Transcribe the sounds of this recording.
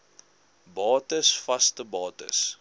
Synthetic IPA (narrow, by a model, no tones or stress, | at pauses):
bɑːtəsfɐstəbɑːtə̰s